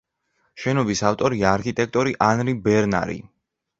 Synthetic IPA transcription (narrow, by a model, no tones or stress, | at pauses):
ʃɛnɔbisaft̪ʼɔɾiaːɾkʰit̪ʼɛk̚t̪ʼɔɾiʔanɾibɛɾna̰ɾḭ